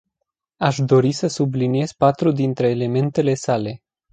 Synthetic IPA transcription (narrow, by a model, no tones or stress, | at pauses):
aʃd̪o̞ɾisəsublinije̞z̥pat̪ɾud̪int̪ɾe̞ːle̞me̞nt̪e̞le̞sale̞